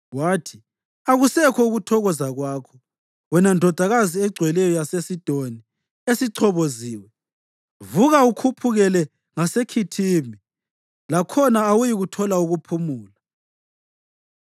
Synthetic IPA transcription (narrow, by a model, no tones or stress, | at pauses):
waːtʰi | aɣusɛkʰɔuɣutʰɔɣɔzaɣwaːkʰɔ̥ | wɛnandʱɔd̥ʱaɣaziɛɡ͡ǀʱwɛlɛjɔjasesid̥ʱoni | esiǀʰɔβoziːwɛ | vuɣaukʰupʰuɣɛlɛ | ŋasekʰitʰiːmi | lakʰɔnaːwujiɣutʰɔlauɣupʰumuːla